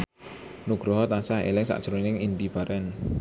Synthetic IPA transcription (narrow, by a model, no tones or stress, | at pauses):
nuɡ̥ɾɔɦɔt̪ansahɦḛlɪŋsa̰ʔd̥ʒ̥ɾonɪŋind̪ib̥a̤ɾʔɛn